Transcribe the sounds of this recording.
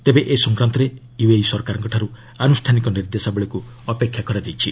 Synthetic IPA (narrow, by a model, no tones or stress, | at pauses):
t̪ebeʔesɔ̃ŋkɾant̪ɔɾe | juejsɔɾkaɾɔŋkɔʈʰaɾu | anusʈʰanikɔniɾd̪esabeɭeku | ɔpekʰjakɔɾad͡ʒ̪ejt͡ʃʰi